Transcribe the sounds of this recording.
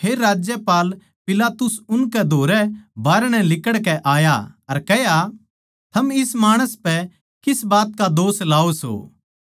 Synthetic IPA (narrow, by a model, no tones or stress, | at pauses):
eːɾːaːd͡ʒjəpaːl | pɪlaːt̪ʊsʊnkɛd̪ʱoːɾɛbaːɾɽ̃ɛ̃lɪkəɽkɛʔaːjaɐɾkɛɦja | t̪ʰɐmɪsmaːɽ̃əspɛ | kɪsbaːt̪̚kad̪oːslaːoso̰ː